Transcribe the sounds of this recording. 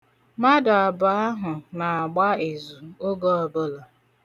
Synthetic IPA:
ma˦dʊ˨a˨bʊ˨a˦ɦʊ˨na˨a˨ɡ͡ba˦e˨zu˨o˦ɡo˦ɔ˨bʊ˦lɔ˨

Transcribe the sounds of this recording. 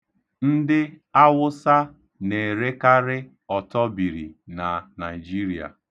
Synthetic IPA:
n̩˦dɪ˦a˦wʊ˦sa˦ | ne˨ɾe˦ka˦ɾɪ˦ | ɔ˨tɔ˦bi˨ɾḭ˨na˨na˨i˨d͡ʒi˦ɾi˨a̰˨

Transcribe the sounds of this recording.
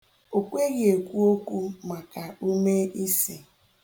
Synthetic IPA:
o˨kʷe˦ɣe˨kʷu˦o˦kʷu˦ma˨ka˨u˦me˦i˦si˨

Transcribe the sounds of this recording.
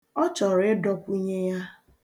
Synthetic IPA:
ɔ˦t͡ʃɔ˨ɾe˦dɔ˦pu˦ɲe˦ja˦

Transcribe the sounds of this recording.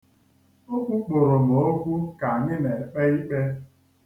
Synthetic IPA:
o˦kʷu˦k͡po˨ɾo˨mo˨o˦ɡʷu˦ka˨a˨ɲɪ˦ne˨k͡pe˦i˦k͡pe˦

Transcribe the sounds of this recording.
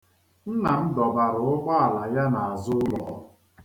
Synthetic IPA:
n̩˦na˨n̩˦dɔ˨ba˨ɾʊ˨ʊ˦k͡pa˦a˨la˨ja˦na˨a˨zʊ˦lɔ̰˨˦

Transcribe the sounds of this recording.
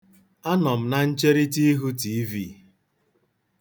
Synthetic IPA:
a˦nɔ˨m̩˦na˦n̩˦t͡ʃe˦ɾi˦ti˦ɦu˦ti˨˦vi˦˨

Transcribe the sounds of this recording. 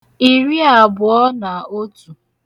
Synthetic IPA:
i˨ɾi˦a˨bʊ˨ɔ˦na˨o˦tu˨

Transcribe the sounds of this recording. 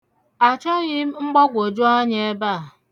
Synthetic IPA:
a˨t͡ʃɔ˦ɣɪ˦m̩˦ŋ͡m̩˦ɡ͡bɔ˦ɡʷo˨d͡ʒo˦a˦ɲ˦e˦ba˦˨

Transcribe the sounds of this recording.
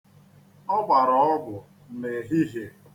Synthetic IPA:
ɔ˦ɡ͡bʷa˨ɾɔ˨ɔ˦bʊ˨ | ne˨ɦi˦ɦe˨

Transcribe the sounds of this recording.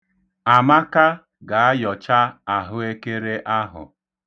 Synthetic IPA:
a˨ma˦ka˦ | ɡa˨a˦jɔ˨t͡ʃa˦a˨ɦʊ˦e˦ke˦ɾe˦ʔa˦ɦʊ̰˨

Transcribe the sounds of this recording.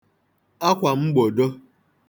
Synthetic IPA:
a˦kʷa˨m̩˦ɡ͡bo˨do˦

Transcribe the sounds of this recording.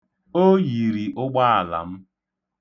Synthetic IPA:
o˦ji˨ɾi˨ʔʊ˦ɡ͡ba˦a˨la̰˨m̩˦

